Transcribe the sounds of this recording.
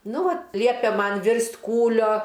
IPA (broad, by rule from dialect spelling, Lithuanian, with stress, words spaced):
ˈnʊ ˈʋɐt ˈlʲiɛpʲeː ˈmɐn ˈʋʲɪrʲsʲtʲ ˈkuːlʲoː